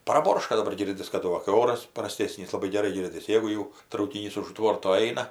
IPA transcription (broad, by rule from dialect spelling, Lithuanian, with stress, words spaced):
prɐˈboːrʃkɐ dɐˈbɐr ˈɡʲɪrʲdʲɪs kɐˈdʊ ʋɐ kɐɪ ˈoːrɐs prɐˈsʲtʲeːsʲnʲiːs lˠɐˈbɐɪ ɡʲɛˈrɐɪ ˈɡʲɪrʲdʲɪs ˈjeːɡʊ jɛʊ trɐʊkʲɪˈnʲiːs ʊʃ ˈtʋoːrtoː ˈɐɪnɐ